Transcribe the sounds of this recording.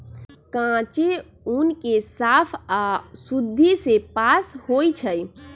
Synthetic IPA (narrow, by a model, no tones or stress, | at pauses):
kãt͡ʃe | unkesapʰasud̪ʱːisepashojt͡ʃʰəj